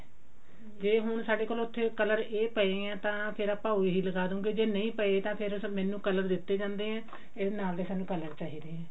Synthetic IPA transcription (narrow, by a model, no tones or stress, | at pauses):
d͡ʒeːɦʊɳsaːɖeːkoːlʊt̪ʰːeːkələɾeːpəeːɡãːt̪ãːpʰɪɾaːpãːɦoiːɦiːləɡaːd̪õːɡeːd͡ʒeːnəĩːpəeːt̪ãːpʰɪɾmɛ̃ːnũːkələɾd̪ɪt̪ːeːd͡ʒãːnd̪eːɦɛ̃ː | ɪsnaːld̪eːsaːnːũːkələɾt͡ʃaːɦiːd̪eːɦɛ̃ː